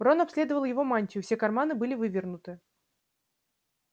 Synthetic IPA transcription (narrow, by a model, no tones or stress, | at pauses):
bronɐpsʲlʲe̞d̪əvəlˠjɪvo̞manʲtʲʊfsʲe̞kɐrmanɨbɨlʲɪvɨvʲɪrnʊt̪ɨ